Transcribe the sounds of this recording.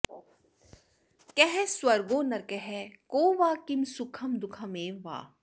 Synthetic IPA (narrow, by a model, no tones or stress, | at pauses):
kɛɦɛswɐɾɡoːnɐɾkɛɦɛkoːʋaːkimsʊkʰɐmd̪ʊkʰɐmeːʋa̰ː